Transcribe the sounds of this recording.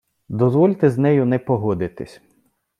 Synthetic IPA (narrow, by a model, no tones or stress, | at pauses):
d̪ɔzʋɔlʲt̪ɛznɛjʊnɛpɔɦɔd̪ɪt̪ɪsʲ